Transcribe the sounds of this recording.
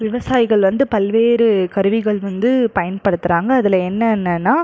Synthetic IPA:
ʋɪʋɐsaːjɪɣɐɭʋɐnd̪ɯpɐlʋeːɾɯkɐɾɯʋɪɣɐɭʋɐnd̪ɯpɐjɐnpɐɽɯt̪ːɯɾaːŋɡɐːðɯlɐɛnːɐɛnːɐnːaː

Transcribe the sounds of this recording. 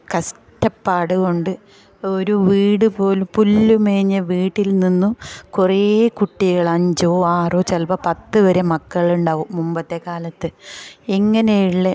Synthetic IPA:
kɐs | ʈɐpːaːɽuɣo̞ɳɖɨ | oɾuʋiːɽɨpo̞ːlumpulːumeːɲːɐʋiːʈːilninːukureːkuʈːiɣɐɭɐɲd͡ʑoːaːroːt͡ɕɐlpɐpɐt̪ːɨʋɐɾemɐkːɐɭuɳɖaːʋumumbɐt̪ːe̞kaːlɐt̪ːɨiŋːɐnejiɭːe

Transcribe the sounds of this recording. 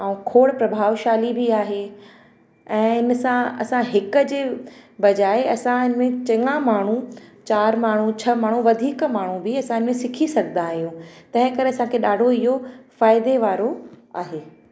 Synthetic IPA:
aːũkʰoːɽpɾɐbʱaːʋʃaːlibʱiaːɦe | ɛ̃ːɪnsãɐ̰sãɦɪkə̆d͡ʑeːbɐd͡ʑaːeɐsãɪnmẽt͡ɕɐ̃ŋãmaːɳ̤ũt͡ɕaːɾmaːɳ̤ũt͡ɕʰɐmaːɳ̤̃ũʋɐd̪ʱiːkmaːɳ̤ũbɪɐsãɪnmẽsɪkʰisɐɡʱənd̪aːɦijũt̪ɐ̃ɦɪ̃kɐɾeɐsãkʰeɗaːɖʱoɪɦofaːɪd̪eʋaːɾoa̰ːɦeː

